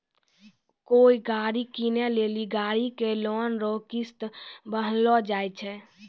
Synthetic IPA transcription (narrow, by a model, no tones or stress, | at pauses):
koːiɡaːɾikineleːliɡaːɾikelɔːnɾɔkist̪bəɦlɔd͡ʒaːjt͡ʃʰɛ